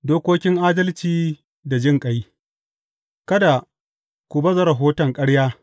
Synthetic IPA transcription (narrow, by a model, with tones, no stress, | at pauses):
doː˦kʷoː˦kʲɪ˦ŋʔaː˦dɐ˦lt͡ʃiː˨ | da˨d͡ʒɪ˦˨ŋkʼɐ˦j | kɐ˦da˨ | kʷʊ˨bɐ˦zɐ˦ɾɐ˨ɦoː˦tɐ˨ŋkʼɐ˦ɽjaː˦